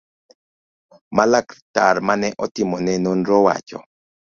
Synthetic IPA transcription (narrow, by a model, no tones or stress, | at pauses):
malaktaɾmanɛʔɔtɪmɔnɛnonɾɔwa̰t͡ʃɔ̰